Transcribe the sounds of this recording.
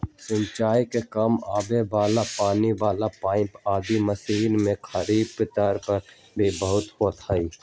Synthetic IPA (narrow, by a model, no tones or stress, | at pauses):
sɪ̃ɲt͡ʃaːjkekɐmaːbeʋaːlapaːniʋaːlapaːɪ̃paːd̪imɐsiːnmẽkʰɐɾiːbpɪt̪aːɾpɐɾ | beːbəɦʊt̪ɦoːt̪ʰaiː